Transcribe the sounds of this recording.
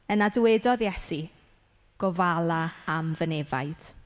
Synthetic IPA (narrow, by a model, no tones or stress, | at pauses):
ənadwɛdɔðjɛsi | ɡ̥ɔvalˠaamvənɛva̰jd̥